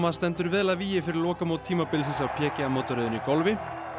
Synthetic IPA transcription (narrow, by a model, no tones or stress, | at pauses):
mast̪ɛnt̪ʏɾvɛːðlaðviːjɪfɪɾɪɾlɔːkamoːwt̪ʰiːmapɪlsɛnsawpʰjɛːcɪamoːwt̪ɔɾɛːðʏnikɔlvɪ